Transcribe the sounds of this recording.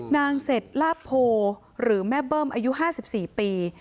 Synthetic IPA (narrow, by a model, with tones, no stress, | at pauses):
naː˧ŋse˨˩t̪̚laː˥˩pʰːoː˧ | ɾɯː˩˦mɛ˦˥bɤː˥˩mʔaː˧ju˦˥ʔɦaː˥˩si˨˩p̚siː˨˩piː˧